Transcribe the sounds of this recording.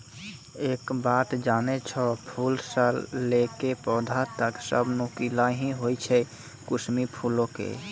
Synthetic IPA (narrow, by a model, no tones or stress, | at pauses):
eːkbat̪d͡ʒaːnet͡ʃʰɔpʰulsəlːekepɔːd̪ʱat̪əksə̰bnukilaɦĩɦojt͡ʃʰɛ | kusmipʰulõkḛ